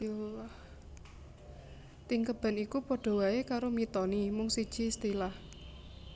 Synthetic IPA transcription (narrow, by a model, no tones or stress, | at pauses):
t̪iŋkəb̥a̤nikupɔɖ̥ɔ̤waekaɾomit̪ɔnimʊŋsid̥ʒ̥i̤st̪ilah